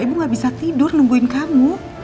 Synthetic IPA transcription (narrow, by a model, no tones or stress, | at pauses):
ibuŋɡaʔbisat̪idʊrnuŋɡuɪnkamu